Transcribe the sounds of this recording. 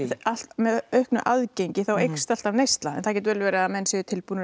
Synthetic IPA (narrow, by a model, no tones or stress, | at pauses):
ḁt̪mɛðœɥhknʏʔaðcejɲcɪθawejkst̪al̥t̪avnejst̪laɛ̰nθac̬ɛt̪vɛːlɪvɛːɾɪaamɛnːsɛðʏt̪ʰɪlpunɪ